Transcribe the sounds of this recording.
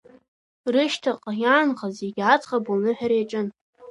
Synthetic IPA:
rɨʃtʰaqʼajaːnχazeɡʲat͡sʼχabunɨħᶣaɾejʈ͡ʂʼɨn

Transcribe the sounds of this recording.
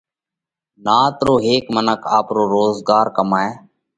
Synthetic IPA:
naːt̪ɾoːɦeːkmənəkʰaːpɾoːɾoːzɡaːɾkəmaːeː

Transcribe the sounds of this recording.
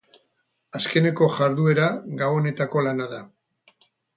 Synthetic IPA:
aske̞ne̞ko̞ʝaɾðue̞ɾaɡawone̞t̪ako̞lanaða

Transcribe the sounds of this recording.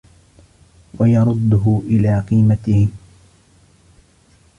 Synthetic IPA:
wajɑɾˤʊd̪ːʊɦʊʔɪlaːqiːmat̪ɪhɪ

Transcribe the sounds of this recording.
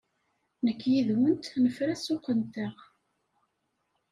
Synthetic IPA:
nəkːjiðwənt̪nəfɾæsʊqːənt̪əʁ

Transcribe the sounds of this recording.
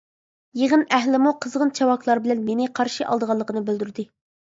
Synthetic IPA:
jeʁənæɦlɪmuqʰəzʁənt͡ʃʰɑwɑkʰlˠɑɾbɪlɛnmenɪqʰɑɾʃiʔɑ̰lˠd̪əʁɑlˠːəqʰənɨbeld̪yɾd̪ɪ

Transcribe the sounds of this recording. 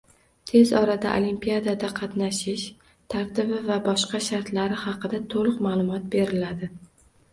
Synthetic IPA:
t̪ʰe̞zɒɾad̪a̰ʔo̰limpijad̪ad̪aqʰɑt̪naʃɪʃ | t̪ʰaɾt̪ʰɪbɪvabɒʃqɑʃaɾt̪laɾɪhɑqɨd̪at̪ʰolˠɨqmaːlˠʊmɒt̪̚be̞ɾɪlad̪ɪ

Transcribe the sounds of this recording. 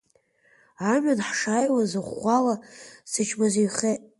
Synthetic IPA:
amanħʂajwazɨχʷalasɨt͡ʃʰmazijχe

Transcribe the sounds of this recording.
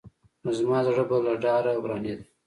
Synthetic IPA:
nozmɑd̪aʐəbalaɖɑɾawɾɑːned̪i

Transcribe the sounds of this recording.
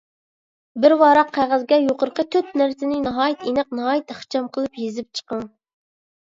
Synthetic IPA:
bɪɾwɑɾɑqʰːæʁæzɡʲɛjoqəɾqət̪ʰøt̪̚næɾsɪnɪnɑɦɑːjit̪ʰenɨqnɑɦɑːjɪt̪χt͡ʃʰɑmqʰəlˠɨpjezɪp̚t͡ʃʰə̥qɑŋ

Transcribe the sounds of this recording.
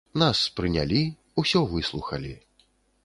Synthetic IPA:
naspɾɨnʲa̰lʲi | usʲɔvɨslˠuxɐlʲi

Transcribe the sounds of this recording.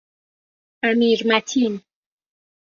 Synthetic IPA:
amiɾmatʰin

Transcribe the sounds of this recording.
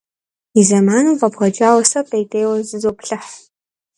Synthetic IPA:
izɐmaːnɨʁɐbʁɐd͡ʒaːwɐsɐpʼejdʼeːwɐzɨzoːpɬɐħ

